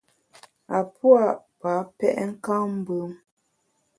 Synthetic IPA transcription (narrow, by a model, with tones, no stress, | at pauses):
a˨pwa˦˨ʔpa˨˦pɛ̰˦˨ʔŋ̩˦ka˦m̩˦bə˦ŋ